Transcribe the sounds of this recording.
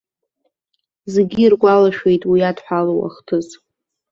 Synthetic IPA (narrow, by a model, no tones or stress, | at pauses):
zeɡʲirɡʷalaʃᶣe̞jtʼwijadħʷalowa̰χtʰɨz